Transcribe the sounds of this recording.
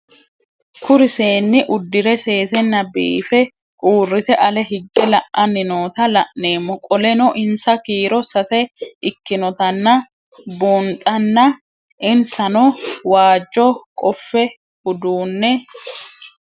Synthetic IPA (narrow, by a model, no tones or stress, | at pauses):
kʊɾɪse̞ːnːɪʔʊd̪ːɪɾɛse̞ːsɛnːɐbḭːfɛ | kʼuːrːɪt̪ɛʔɐlɛɦɪɡːɛlɐʔʔːɐnːɪno̞ːt̪ɐlɐʔne̞ːmːɔkʼɔlɛnɔʔɪnsɐkiːɾɔsɐsɛʔɪkːɪnɔt̪ɐnːɐ | buːnt̪ʼːɐnːɐ | ʔɪnsɐnɔwaːd͡ʒːɔkʼɔfːɛ | ʊd̪uːnːɛ